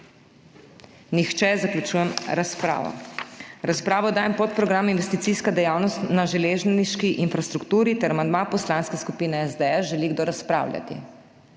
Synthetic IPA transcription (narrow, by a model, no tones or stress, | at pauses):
nixt͡ʃɛzaklʲjut͡ʃuːjɛmɾaspɾa̰ːʋɔ̰ɾaspɾaːʋɔd̪aːjɛmpot̪̚pɾɔɡɾaminʋɛst̪it̪siːskad̪ɛjawnɔst̪naʒɛleːʒnniʃkiʔinfɾast̪ɾukt̪uːɾit̪ɛɾamand̪mapɔslaːnskɛskupiːnɛɛzd̪ɛɛsʒɛliɡd̪oɾaspɾa̰ːwlʲjʲa̰t̪ḭ